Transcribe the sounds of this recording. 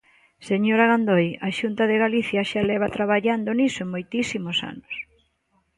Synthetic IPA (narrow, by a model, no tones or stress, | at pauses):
seɲoɾaɣand̪ojaʃunt̪aðeɣaliθjaʃalɛβ̞at̪ɾaβaʎand̪onisoeŋmojt̪isimosa̰nʊs